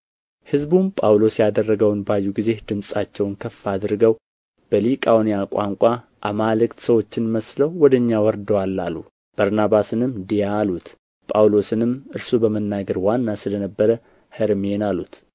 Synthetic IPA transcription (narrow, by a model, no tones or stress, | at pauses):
hɨzbumpʼawlo̞sjad̪ərːəɡəwnbajːuɡize̞hd̪̥ɨmsʼat͡ʃːɛwnkʰəfːad̪ɾɨɡəw | b̥əlikʼawnijakʷʼaŋkʷʼa | ʔamalɨkt̪səwo̞t͡ʃːɪnməsləwːɔd̪əɲːawɔɾd̪əwalːalːu | b̥aɾnaβasɨnɨmd̪ijaːlut̪ | pʼawlo̞sɨnɨmʔɨɾsubəmənːaɡəɾwanːasɨlənəbːəɾə | həɾmenalut̪